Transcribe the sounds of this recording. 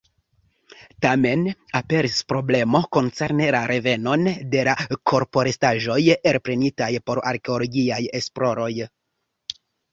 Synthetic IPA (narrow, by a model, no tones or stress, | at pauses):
tame̞nape̞ɾispɾo̞ble̞mo̞ko̞nt͡se̞ɾne̞laɾʔe̞ve̞no̞nde̞lakʰo̞ɾpo̞ɾestaʒo̞jeɾpɾe̞nitajpo̞ɾa̰ɾke̞olo̞ɡiaje̞splo̞ɾo̞j